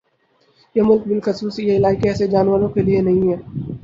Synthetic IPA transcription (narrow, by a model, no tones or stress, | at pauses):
jemʊlk̚bɪlxɐsuːsijeɪlaːɪkeɛːsed͡ʒaːnʋəɾõkelienɐɦĩɦɛː